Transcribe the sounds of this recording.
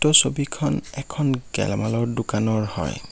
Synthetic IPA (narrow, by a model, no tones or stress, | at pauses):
tɔsobikʰɔnɛkʰɔnɡɛ̰lmalɔɹdʊkanɔɹhɔ̰j